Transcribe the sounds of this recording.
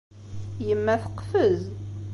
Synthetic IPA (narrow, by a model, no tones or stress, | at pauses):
jəmːæθəqːfəz